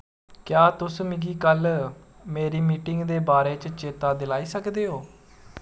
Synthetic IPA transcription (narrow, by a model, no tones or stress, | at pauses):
kjaːt̪ʊsmɪɡiːkəlmeːɾiːmiːʈɪŋɡd̪eːbaːɾeːt͡ʃt͡ʃeːt̪aːd̪ɪlaːiːsəkd̪eːɦoː